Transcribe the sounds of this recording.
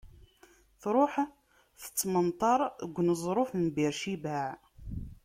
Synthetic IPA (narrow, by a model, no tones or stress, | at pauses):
θɾˤoħ | θə̥t͡sːmənt̪ˤɑɾˤəɡʷːnəzˤɾˤofnbiɾʃibæʕ